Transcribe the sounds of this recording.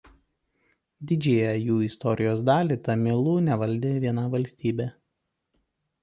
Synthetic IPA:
d̪ʲɪd͡ʒʲeːjɛjuːɪst̪ɔɾʲɪjoːs̬d̪ɑːlʲiˑt̪ɐmʲelˠuːnʲɛʋɐlʲd̪ʲeːʋʲiɛnɑʋɐlʲsʲt̪ʲiːbʲeː

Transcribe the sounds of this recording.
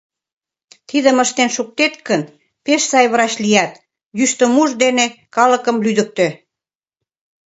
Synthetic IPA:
t̪iðə̆məʃt̪enʃuk̚t̪et̪̚kən | peʃsɑjβəɾɑt͡ɕlijæt̪ | jyʃt̪ə̆muʒd̪enekɑlə̆kəmlyd̪ə̆k̚t̪ĕ

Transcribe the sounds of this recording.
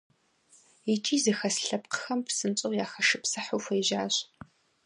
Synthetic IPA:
itʰiːzɨxɐsɬɐp̚qʰə̥xɐmpʰsɨnt͡sʼɐwjaːxɐʂɨpsɨħʊwfʷɐjʒaːɕ

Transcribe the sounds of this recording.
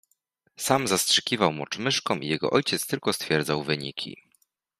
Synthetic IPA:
samzastʂɘ̥kʲivawmɔt͡ʂmɘʂkɔmʔijɛɡɔ̰ʔɔjt͡ɕɛt̪st̪ɘlkɔst̪fʲjɛɾd̪zawvɘɲḭkʲʰḭ

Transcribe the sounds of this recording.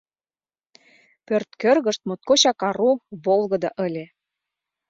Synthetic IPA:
pørt̪kø̆rɣə̆ʃt̪̚mot̪̚koɕɑkɑɾuβolɣɤ̆d̪ɑʔə̆lʲĕ

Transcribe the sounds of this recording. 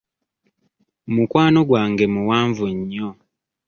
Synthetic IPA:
mukwaːnoɡwaːŋɡe̞muwaːɱvuɲːo

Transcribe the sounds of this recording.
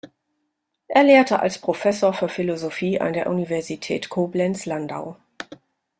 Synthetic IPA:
ʔeːɐleːɐtʰəʔa̰lspʁ̥ofɛsoːɐfyːɐfilozofiːʔa̰ndeːɐʔunivɛɐzitʰɛ̰ːtkʰoːblɛnslanda̰ʊ

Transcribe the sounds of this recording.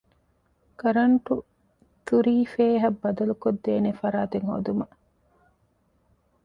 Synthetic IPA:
kɐɾɐɳʈu | t̪uɾiːfeːɦɐbːɐd̪ɐlukod̪ːeːnefɐɾaːt̪eŋho̰ːd̪umɐ

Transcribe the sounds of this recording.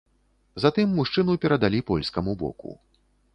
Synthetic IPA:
zat̪ɨmːuʂt͡ʂɨnupʲɛɾɐd̪alʲipɔlʲskɐmubɔ̰kṵ

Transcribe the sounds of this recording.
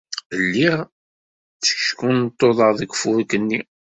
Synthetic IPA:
lːiʁ | t͡sːə̥çʃkunt̪ˤːoðˤəʁðˤəkfʊɾkənːi

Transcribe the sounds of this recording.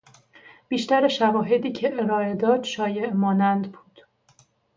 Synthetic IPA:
b̥iːʃt̪æɾeʃævɒːɦe̞d̪iːcʰe̞ʔeɾɒːe̞d̪ɒːd̪̥ʃɒːje̞ʔmɒːnænd̪buːd̪̥

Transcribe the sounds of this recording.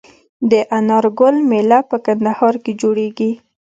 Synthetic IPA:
d̪əʔanɑɾɡʊlmelapəkand̪ahɑɾked͡ʒoɽeɡi

